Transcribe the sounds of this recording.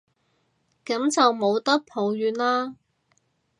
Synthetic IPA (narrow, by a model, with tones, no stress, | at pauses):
kɐ˨˥mt͡sɐ˨wmo˨˧wt̪ɐ˥k̚pʰo˨˧wjyː˨˥nlaː˥